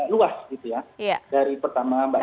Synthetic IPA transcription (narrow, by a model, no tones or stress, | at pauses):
luasɡit̪ujajdaɾipərt̪amaba